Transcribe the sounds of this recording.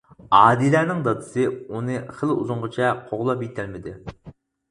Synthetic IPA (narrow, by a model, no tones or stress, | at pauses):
ɑːd̪ilæːnɪŋd̪ɑd̪ɨsɨunɨχəlṵzʊɴʁɨt͡ʃʰɛqʰoʁlˠɑpjit̪ʰælmɪd̪ɪ